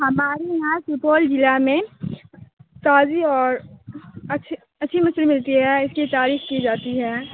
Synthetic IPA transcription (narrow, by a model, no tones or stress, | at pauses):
hɐmaːɾiɦãsupɔːld͡ʒɪlamẽ | t̪aːziɔːɾ | ɐ | ɐtːʃʰimɐslemɪlt̪iɦɛːɪskit̪aːɾiːxkid͡ʒaːt̪iɦɛː